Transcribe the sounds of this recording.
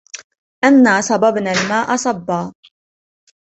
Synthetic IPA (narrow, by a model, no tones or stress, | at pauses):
ʔanːaːsˤɑbɑbnaːlmaːʔɑsˤɑbːɑː